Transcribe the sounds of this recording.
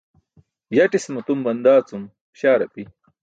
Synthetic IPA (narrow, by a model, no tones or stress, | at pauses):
jɐʈismut̪umbɐnd̪aːt͡sum | ɕaːɾɐpi